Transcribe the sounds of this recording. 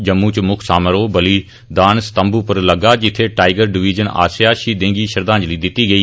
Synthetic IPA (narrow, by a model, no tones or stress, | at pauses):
d͡ʒəmːũːt͡ʃmʊkʰsaːməɾoːbəliː | d̪aːnsə̥t̪əmbuːpəɾləɡaːd͡ʒɪt̪ʰːeːʈaːɪɡəɾɖɪʋiːd͡ʒəna̰ːsjaːʃiːd̪ẽːɡiːʃəɾd̪ãːɲd͡ʒliːd̪ɪt̪ːiːɡəiː